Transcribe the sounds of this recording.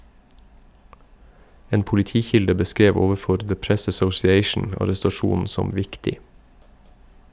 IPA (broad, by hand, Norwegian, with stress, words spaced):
ˈeːn pʊlɪˈtiːˌçɪldə bəˈskɾeːʋ ˈoːʋəˌfɔɾ ðə ˈpɹɛs æsɔsɪˈeɪʃn̩ ɑɾɛstɑˈʃuːn̩ ˈsɔm ˈʋɪktɪ